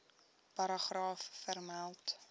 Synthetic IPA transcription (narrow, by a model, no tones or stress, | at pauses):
pɐɾɑχrɑːfːərmælˠt